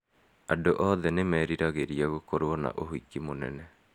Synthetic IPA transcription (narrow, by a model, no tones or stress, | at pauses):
andoʔɔðɛnemɛːɾiɾaɣeɾiaɣokoɾwɔna̰ʔoɦwikimonɛ̰nɛ